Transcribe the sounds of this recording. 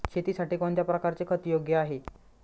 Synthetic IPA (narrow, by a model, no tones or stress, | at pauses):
kʰet̪iːsaʈiːkɔɳt̪japɾəkaɾt͡sekʰət̪joɡjəaɦe